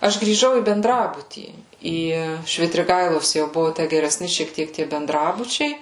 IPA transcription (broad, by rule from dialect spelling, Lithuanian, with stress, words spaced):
ˈɐʃ ɡrʲiːˈʒɐʊ iː bʲɛnˈdrɑːbʊtʲiː ˈiː ʃʲʋʲɪtʲrʲɪˈɡɐɪlˠoːs jɛʊ ˈbʊʋoː ˈtʲæ ɡʲɛrʲɛˈsʲnʲɪ ʃʲiɛk ˈtʲiɛk tʲiɛ bʲɛnˈdrɑːbʊt͡ʃʲɛɪ